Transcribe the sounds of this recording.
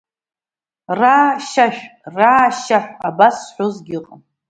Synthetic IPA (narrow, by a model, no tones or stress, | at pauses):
raːʃaʃᶣraːʃaħʷᶣabasħʷᶣozɡʲɪqʼəm